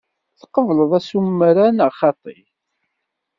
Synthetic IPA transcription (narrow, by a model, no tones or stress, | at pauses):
θqəvləðˤæsumːɾanəʁχɑt̪ˤːḭ